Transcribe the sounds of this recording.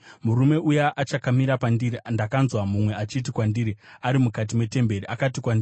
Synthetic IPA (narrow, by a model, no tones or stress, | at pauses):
muɾume̞ʔujaʔat͡ʃakamiɾapandirindakanzwamumwe̞at͡ʃit̬ikwandiːɾiaɾimukat̬imwe̞te̞mbe̞riʔakatikwandiːi